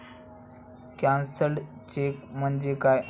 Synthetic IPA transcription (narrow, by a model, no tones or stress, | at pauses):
kãnsəɭt͡ɕekm̤ənd͡ʑekaj